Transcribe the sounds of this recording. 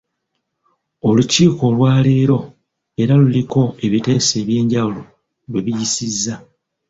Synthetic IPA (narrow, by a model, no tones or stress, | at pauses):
o̞luciːko̞lwaːleːɾo̞ | e̞ɾaluliko̞e̞βite̞ːse̞ːβje̞ːɲɟawulo̞ | lwe̞βijisizːa